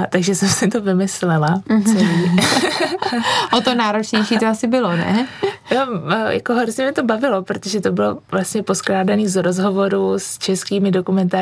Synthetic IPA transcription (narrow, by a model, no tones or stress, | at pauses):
t̪aɡʒɛsɛmsɪt̪ovɪmɪslɛlat͡sɛliː | ʔot̪onaːɾot͡ʃɲɛjʃiːt̪oasɪbɪlonɛ̰nojʔa̰koɦoɾzɲɛmɲɛt̪o̞bavɪlopɾot̪oʒɛt̪obɪlovlast̪ɲɛpo̞sklaːdaniːzɾozɦo̞vo̞ɾust͡ʃɛskiːmɪdo̞kumɛnt̪aː